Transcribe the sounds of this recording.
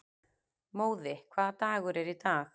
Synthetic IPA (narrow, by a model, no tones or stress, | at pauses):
moːwðɪkʰvaːðat̪aːɣʏɾɛɾit̪aːx